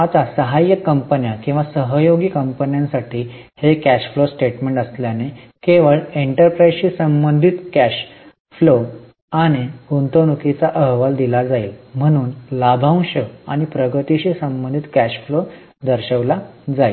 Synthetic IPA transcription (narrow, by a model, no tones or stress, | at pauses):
at̪asəɦajəkːəmpənjakĩw̃ʋasəɦəjoɡikəmpənjãnsaʈʰiː | hekæɕflosʈeʈmẽɳʈəsljane | keʋəɭeɳʈəɾpɾajzɕisəmbənd̪ʱit̪kæɕ | flo | aɽ̃iɡunt̪onukit͡saʔəɦʋald̪ilad͡zailm̤əɽ̃uːnlabʱãw̃ɕəa̰ɽ̃ipɾəɡət̪iɕisəmbənd̪ʱit̪kæɕflo | d̪əɾɕəʋlad͡zail